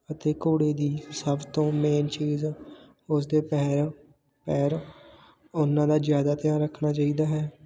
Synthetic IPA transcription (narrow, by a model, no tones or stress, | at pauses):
ət̪eːkoːɽeːd̪iːsəbt̪õːmeːnt͡ʃiːz | ʊsd̪eːpɛːɾ | pɛːɾ | ʊnːãːd̪aːzjaːd̪aːt̪ɪjãːɾəkʰnaːt͡ʃaːiːd̪aːɦɛː